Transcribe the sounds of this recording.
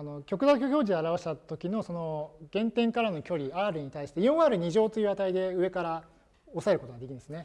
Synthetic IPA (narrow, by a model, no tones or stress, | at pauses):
ano̞kʲo̞kɯoːkʲo̞kʲo̞ːʑid̪eaɾaβaɕi̥t̪at̪o̞kʲino̞so̞no̞ɡ̥ẽ̞nt̪ẽ̞ŋkaɾano̞kʲo̞ɾʲiaːɾɯ̟ɲ̟it̪aiɕi̥t̪ejõɰ̃aɾɯ̟ɲ̟iʑo̞ːt̪ːoiɯβat̪aid̪e̞ɯ̟e̞kaɾa | o̞sae̞ɾɯ̟ko̞t̪oɡadekʲĩnd̪esɨne̞